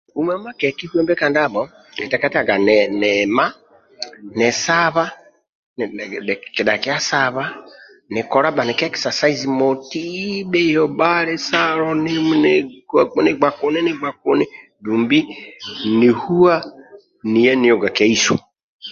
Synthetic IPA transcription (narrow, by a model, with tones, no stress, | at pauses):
u˦mɛ˦ma˦kɛ˨ki˦hu˦ɛ˦mbɛ˦ka˨nda˦bɔ˨ | ɛ˨tɛ˨kɛ˦ta˨ɡa˨nɛnɛma˦ | nɛ˨saβa˦ | n˨ki˨da˨ki˦a˦saβa˦ | nɪ˨kɔ˨ɾa˦ba˨ni˨kɛ˦ki̥sa˨sa˦izimo˨ti˦bɛ˦jɔ˨baɾɛ˦saɾɔni˦n | ni˨ɡ͡ba˨ku˦ni˦ni˦ɡ͡ba˨k̚u˦ni˦ | duː˨mbi˦ni˨hu˦a˦ | ni˨jɛ˦ni˨jo˨ɡa˨ke˦iso̰˨